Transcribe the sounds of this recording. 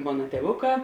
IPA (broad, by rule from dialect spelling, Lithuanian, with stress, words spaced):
ˈmoːnɐ tʲiɛˈʋʊˌkɑː